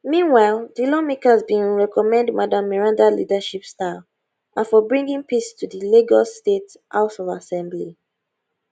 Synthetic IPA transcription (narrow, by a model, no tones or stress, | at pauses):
mĩnwaɪlˠdilɔmikazbĩnɹɛkɔmɛ̃ndmadãmːɛɹãndalḭdaʃipsta | ʔafɔbɹĩŋɡĩŋpistʰudileɡɔstet | ʔa̰ʊtɔvasɛ̃mbli